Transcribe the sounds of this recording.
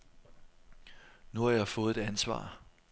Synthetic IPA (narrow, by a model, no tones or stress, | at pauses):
nuhɑ̈jɑ̈ɪfɔ̽ːð̞̩ˠe̝̥ænsʋɑ̰̈ː